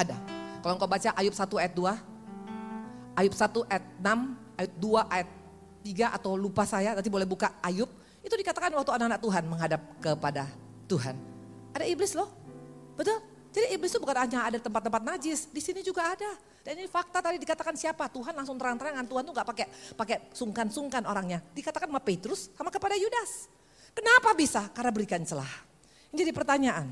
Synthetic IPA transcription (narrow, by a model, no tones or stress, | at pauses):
ada̰kaloŋkawbat͡ʃaʔajʊp̚sat̪uajat̪̚dua | ajʊp̚sat̪uʔat̪̚nam | ajʊt̪̚duaʔajat̪ː | iɡaʔat̪awlupasajat̪anibolɛhbukaajʊp̚ | it̪udikat̪akanwak̚t̪uananak̚t̪uɦanməŋɦadap̚kəpada | t̪uɦa̰n | ʔadaiblɪslɔhb̥ət̪ʊl | d͡ʒadiiblɪst̪ubukanaɲaːdait̪əmpat̪ːəmpat̪̚nad͡ʒɪsdisinid͡ʒuɡaːda | d̥aninifak̚t̪at̪adidikat̪akansiapat̪uɦanlaŋsʊŋt̪əɾaŋnt̪aɲaŋant̪uɦant̪uŋɡaʔpakepakesuŋkansuŋkanoɾaŋɲadikat̪akanmapet̪ɾʊsːamakəpadajudas | kənapabisakarnabəɾikant͡ʃəla̰h | ind͡ʒadipərt̪aɲaʔan